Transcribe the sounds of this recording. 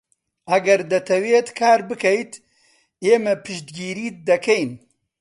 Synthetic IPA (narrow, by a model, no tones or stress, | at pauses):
ɐɡɐɾd̪ɐt̪ʰɐweːt̪kʰaːɾbɨkɐjt̪ | eːmɐpʰɨʃt̪ɡiːɾiːd̪ɐkʰɛjn